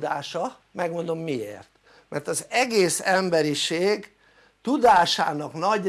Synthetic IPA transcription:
d̪aːʃɒ | mɛɡmo̞nd̪o̞mːiḛːrt̪ | mʔɛ̰rt̪ɒzɛɡeːsɛmbɛɾiʃeːɡ | t̪ud̪aːʃa̰ːnɒknɒɟ

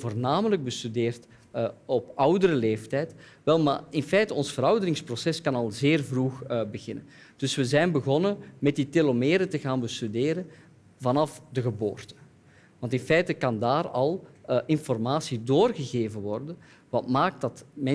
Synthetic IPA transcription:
voːrnaːmələɡ̚bəstydeːrt | ɔpʌwdəɾəleːftɛjtʋɛlˠma̰ːɪnfɛjtəɔnsfəɾɑwdəɾɪŋsprosɛskɑnɑlˠzeːrvruxbəɣɪnən | d̥ɵswəzɛjnbəɣɔnəmɛt̚ditɪlomeːɾətəɣaːnbəstydeːɾən | vɑnɑfdəɣəbo̰ːrtə̥ | ʋɑntɪnfɛjtəkɑndaːɾɑlˠʔɪnfɔrmaːsidoːrɣəɣeːvənʋɔrdə | ʋɑtmaːk̚t̚dɑtmɛ

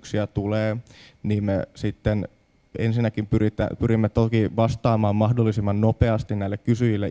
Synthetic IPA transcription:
ksiæt̪uleːniːmmesit̪ːen | ensinːækimpyrit̪æ̰pyɾimːet̪okiʋɑst̪ɑːmɑːmːɑhdolːisimːɑnnopeɑst̪inæilːekkysyjilːe

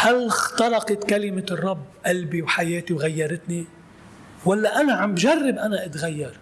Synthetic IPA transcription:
halxt̪ɑɾˤɑqɑt̪kalɪmɪrˤːɑbːʔalbiwħajeːt̪iwɣajːɑɾˤɪt̪ni | walːaʔanaʕambʒarˤːɪbʔanaʔɪt̪ɣajːɑɾˤ

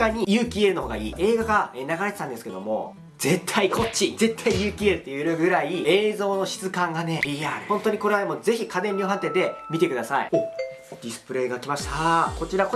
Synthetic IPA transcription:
aɲ̟ijɯ̟ːkʲiːe̞ɾɯ̟no̞ɦoːɡa̰ḭːe̞ːɡaɡaeːnaɡaɾee̞t̪ãnd̪e̞sɨ̥ke̞d̪o̞mo̞̰ | z̥e̞t̪ʰːaikʰo̞t͡ɕːize̞t̪ʰːaijɯːkʲiːeɾɯ̟t̪ːejɯɾɯɡɯ̟ɾaieːzo̞ːno̞ɕi̥t͡sɨkãŋɡane̞iahõ̞nt̪o̞ɲ̟iko̞ɾe̞aemo̞ze̞çikʰad̪ẽ̞mʲɾʲiːɦãnt̪ẽ̞nd̪e̞mʲit̪e̞kɯ̟d̪asa̰ḭo | d̪̥ʲisɨ̥pɯ̟ɾe̞ːɡakʲimaɕi̥t̪ako̞t͡ɕiɾako

